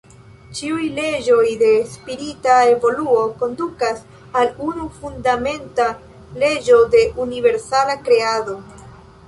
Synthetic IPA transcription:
t͡ʃiujle̞d͡ʒo̞jde̞spiɾitae̞vo̞luo̞ko̞ndukas | alunufundame̞nta | le̞d͡ʒo̞de̞ʔunive̞ɾsalakɾe̞ado̞

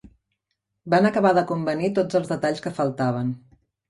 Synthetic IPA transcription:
banəkəβaðəkumbənit̪od͡zəlˠzðət̪aʎskəfəlˠt̪aβ̞ən

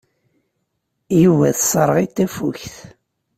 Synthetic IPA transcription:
juvæðsˤəɾˤʁit̪ːæfuçθ

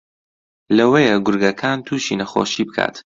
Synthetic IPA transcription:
lɐwejɛɡʊɾɡɐkʰaːnt̪ʰuːʃḭnɐxo̰ːʃiːbɨkʰa̰ːt̪

